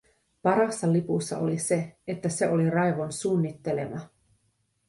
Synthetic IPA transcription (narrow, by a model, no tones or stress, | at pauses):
pɑɾɑsːɑlipusːɑ̰olise̞et̪ːæse̞ʔo̞lirɑjʋo̞nsuːnːit̪ːe̞le̞̰mɑ